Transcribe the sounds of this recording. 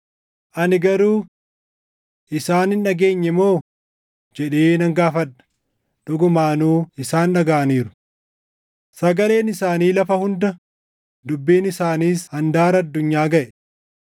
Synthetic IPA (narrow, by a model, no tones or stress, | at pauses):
ʔɐnɪɡɐɾuː | ʔɪsaːnɪnːɐɡe̞ːɲːɛmo̞ː | d͡ʒɛᶑeːnɐŋɡaːfɐᶑɐ̥ | ᶑʊɡʊmaːnuːɪsaːnːɐɡaːɐniːɾʊ̥ | sɐɡɐle̞ːnɪsaːniːlɐfɐhʊnd̪ɐ | d̪ʊbːiːnɪsaːniːshɐnd̪aːɾɐɐd̪ːʊɲːaːɡɐʔɛ